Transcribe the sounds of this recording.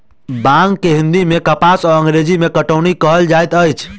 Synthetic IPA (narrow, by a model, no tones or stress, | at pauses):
bãŋɡkːeɦɪ̃nd̪imẽkəpasɔɾə̃ŋɡɾeːd͡ʒimẽkəʈəːɳ̃ikəɦəld͡ʒaːjt̪əjt͡ʃʰ